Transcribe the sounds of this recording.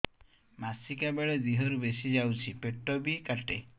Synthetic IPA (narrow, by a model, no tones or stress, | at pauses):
masikabeɭed̪iɦɔɾubesid͡ʒawt͡ʃʰipeʈːɔbikaʈe